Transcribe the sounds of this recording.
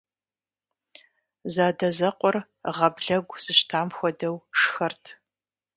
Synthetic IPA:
zaːdɐzɐqʷɔr | ʁɐbɮɐɡʷsɨʃtʰaːmxʷɔdɐwʂxɐrtʰ

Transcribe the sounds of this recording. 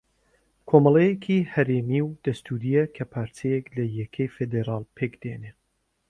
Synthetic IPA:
kʰomɑlˠejekʰihɐɾeːmiwd̪̥ɐst̪ʰuɾijɐkʰɐpʰaːɾt̪ʰejeklɐjɛkʰejfed̪eɾaːlˠpʰeːkd̪ene

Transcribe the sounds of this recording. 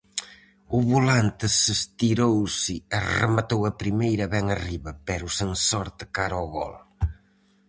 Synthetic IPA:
ʊβulant̪ɪsɪst̪iɾowsɪɐrɨ̰mɐt̪owɐpɾimejɾɐβɛŋɐriβɐpɛɾusensɔɾt̪ɨkaɾɔɣɔ̰l

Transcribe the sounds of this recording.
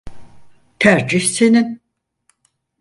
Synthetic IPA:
t̪ʰæɾd͡ʒiçsenin

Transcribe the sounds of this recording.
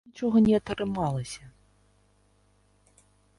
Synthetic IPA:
it͡ʂɔɣɐnʲɛɐt̪ɾɨmalˠɐsʲɐ

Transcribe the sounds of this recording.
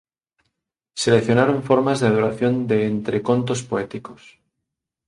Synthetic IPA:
se̞leθjo̞naɾoɱfo̞ɾmazðeaðoɾaθjo̞nd̪e̞ːnt̪ɾe̞ko̞nt̪o̞spoet̪iko̞s

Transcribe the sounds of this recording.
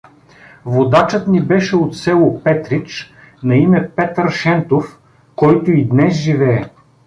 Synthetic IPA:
vod̪at͡ʃɤt̪nibɛʃɛot̪sɛlˠopɛt̪ɾit͡ʃ | nɐimɛpɛt̪əɾʃɛnt̪of | kɔjt̪oid̪nɛsʒivɛː

